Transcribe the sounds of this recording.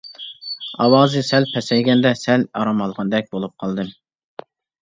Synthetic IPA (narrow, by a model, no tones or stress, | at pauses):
ɑwɑːzɨsɛlpʰɛsɛjɡʲɛnd̪ɛsɛlɑɾɑmɑlˠʁɑnd̪ɛk̚ʲbolˠup̚qʰɑlˠd̪ɨm